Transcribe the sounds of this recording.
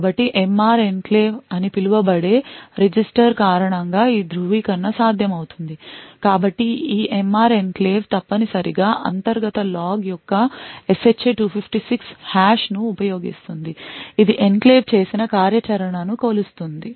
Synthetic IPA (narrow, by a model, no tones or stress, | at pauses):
bɐʈːiʔemaːɾe̞nkleːʋɐnipiluʋɐbɐɽe̞ːɾed͡ʒisʈɐɾkaːɾɐɳɐŋɡaːiːd̪ɾuʋiːkɐnːɐsaːd̪ʱjɐmɐwut̪und̪ikaːbɐʈːiiːʔemaːɾenkle̞ːʋt̪ɐpːɐnisɐɾiɡaːʔɐ̰nt̪ɐɾɡɐt̪ɐlaːɡjɔkːɐeset͡ʃːeʈuːpʰipʰʈisikshaːʃnuːpɐjo̞ːɡḭst̪und̪iid̪iʔenkle̞ːʋt͡ʃe̞ːsinɐkaːɾjɐt͡ʃɐɾɐɳɐnukoːlust̪und̪i